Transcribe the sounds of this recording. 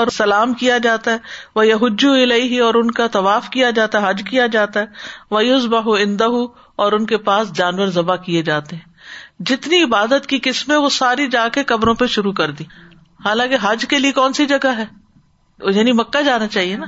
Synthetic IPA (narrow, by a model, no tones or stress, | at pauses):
ɔːɾsɐlaːmkijad͡ʒaːt̪aɦɛʋɐjɐɦʊd͡ʒːuɪleɪɦɪɔːɾʊnkat̪ɐʋaːfkijad͡ʒaːt̪aɦɛɦɐd͡ʒkijad͡ʒaːt̪aɦɛʋɐjʊzbɐɦuɪ̃nd̪ɐɦu | ɔːɾʊnkepaːsd͡ʒaːnwəɾzɐbakied͡ʒaːt̪eɦɛ̃ːd͡ʒɪt̪niɪbaːd̪ət̪kikɪsmɦɛ̃ʋosaːɾid͡ʒãːkekɐbɾõpeʃʊɾukɐɾd̪ĩː | haːlãːkeɦɐd͡ʒkeliekɔːnsid͡ʒɐɡaɦɛː | jaːnimɐkːad͡ʒaːnat͡ʃaːɦienaː